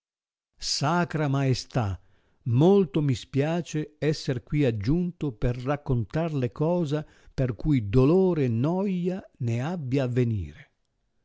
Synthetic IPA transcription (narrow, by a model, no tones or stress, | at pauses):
saːkɾamaest̪a | molt̪omispjaːt͡ʃeɛsːerkwiad͡ʒːunt̪operːakːont̪arlekɔːza | perkujd̪oloːɾenːɔjaneabːjaːvːenḭːɾe